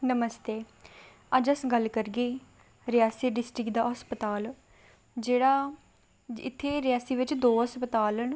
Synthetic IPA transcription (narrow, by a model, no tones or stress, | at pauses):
nəməst̪eː | əd͡ʒəsɡəlkəɾɡeː | ɾɪjaːsiːɖɪsʈɾɪkd̪aːɦəspət̪aːl | d͡ʒeːɽaː | ɪ̰t̪ʰːeːɾɪjaːsiːʋɪt͡ʃd̪oːəspət̪aːlɦən